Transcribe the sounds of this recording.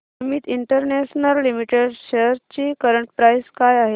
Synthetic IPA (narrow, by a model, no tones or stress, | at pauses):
miːt̪iɳʈəɾneɕnəlːimiʈeɽɕeɾt͡ɕiːkəɾəɳʈpɾajskajaɦe